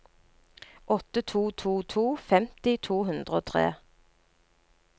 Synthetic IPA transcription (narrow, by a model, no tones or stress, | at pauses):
ʔɔt̪ət̪ʰuːt̪ʰuːt̪ʰuːfɛmt̪ɪt̪ʰuːhʉnd̪ʁəoːt̪ʰʁḛː